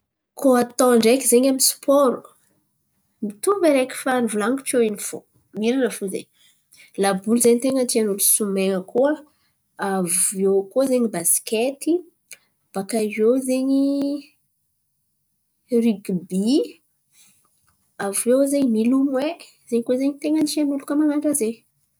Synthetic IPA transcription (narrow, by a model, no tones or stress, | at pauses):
kʰoat̪ɔɳɖ͡ʐekizeɲamispʰɔɾu̥ | mit̪umbeɾekʲi̥fanivulaŋɡut͡ʃoinifo̰ | miɾanəfuzḛɲ | labulzeɲit̪eŋənt̪ianulusumeŋəkuə | avewkozeɲibasi̥ket̪i | b̥akaʒewzeɲi | riɡibi | avewzemilumwe | zeɲkozeɲit̪eŋəntianulukamanaɳɖ͡ʐaze